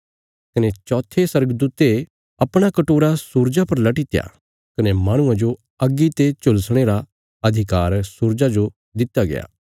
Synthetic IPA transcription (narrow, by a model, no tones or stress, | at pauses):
kɐnet͡ʃɔːt̪ʰːesɐɾɡəd̪uːt̪e | ɐpɽ̃akɐʈoːɾasuːɾd͡ʒapɐɾlɐʈit̪eja̰ | kɐnemaːɽ̃ʊ̃ãd͡ʒo | ɐɡːit̪et͡ʃʊlsɽ̃eːɾa | ɐd̪ʱɪkaːɾsuːɾd͡ʒad͡ʒo | d̪ɪt̪ːaɡḛja̰ː